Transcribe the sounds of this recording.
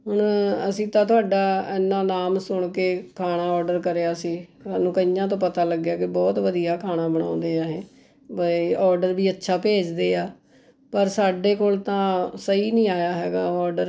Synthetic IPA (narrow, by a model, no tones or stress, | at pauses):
ɦʊɳəsĩːt̪ãːt̪ʊaːɖaːɛːnːaːnaːmsʊɳkeːkʰaːɽaːɔːɾɖəɾkəɾeaːsĩːaːnũːkəijãːt̪̬õːpət̪aːləɡːjaːkɪbɔːt̪ʋəd̪ijaːkʰaːɽ̃ãːbəɽã̰ːʊnd̪eːaːɦẽː | bəɔːɾɖəɾbiːətːʃʰaːpeːd͡ʒd̪eːaː | pəɾsaːɖeːkoːlt̪ãːsəiːnĩːaːjaːɦɛːɡaːɔːɾɖəɾ